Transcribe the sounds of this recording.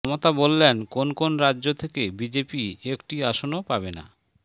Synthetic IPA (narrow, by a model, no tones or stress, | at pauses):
mot̪abolːenkonkonɾad͡ʑːʑot̪ʰekebid͡ʑepiekʈiaʃonopabena̰